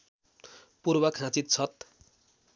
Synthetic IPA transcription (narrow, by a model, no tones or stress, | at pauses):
purbʌkʰɦãt͡sit̪̚t͡sʰʌt̪̚